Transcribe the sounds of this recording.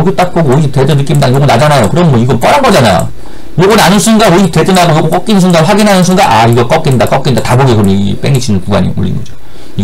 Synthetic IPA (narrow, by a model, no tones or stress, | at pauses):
oɡit͈ak̚k͈oɡoisʰete̞dɯnːɯk͈imdajoɡʌnad͡ʑanajokɯɾʌmnmʌiɡʌp͈ʌɾɦanɡʌd͡ʑana̰jo̰ | joɡʌnanɯnsʰunɡaoite̞dɯnaɡojoɡok͈ʌk͈inɯnsʰundaɸwaɡinɦanɯnsʰunɡaʔaiɡʌk͈ʌk͈indak͈ʌk͈indataboɡikɯʌeɡḭp͈eŋɡit͡ɕʰinɯnpuɡa̰ɲḭo̰ʎːḭŋɡʌd͡ʑo̥ | iɡ